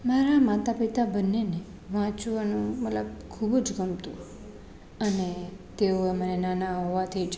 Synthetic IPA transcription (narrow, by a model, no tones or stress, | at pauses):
maɾamat̪apit̪abənːene | ʋãt͡ʃʋanũmət̪ləbkʰubd͡ʒɡəmt̪ũ | ənet̪eoemənenanaɦoʋat̪ʰid͡ʒ